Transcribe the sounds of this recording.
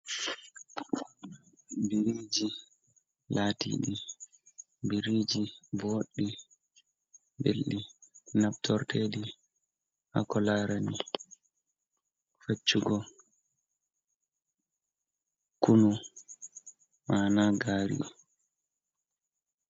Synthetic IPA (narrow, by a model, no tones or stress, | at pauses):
biɾiːd͡ʒi | laːtḭɗi | biɾid͡ʒiboɗːi | bḛlːinabtʰɔɾtʰeɗi | ha̰kɔlaːɾani | fat͡ʃːuɡɔ | kunu | manaɡaːɾḭ